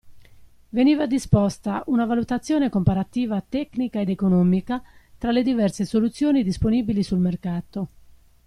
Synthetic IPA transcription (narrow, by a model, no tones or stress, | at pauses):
veniːvad̪ispɔst̪aʔunavalut̪at̪sːjɔːnekompaɾat̪iːvat̪ɛknikaed̪ekonɔːmikat̪ɾaled̪ivɛrsesolut̪sːjoːnid̪isponibilisulmerkaːt̪o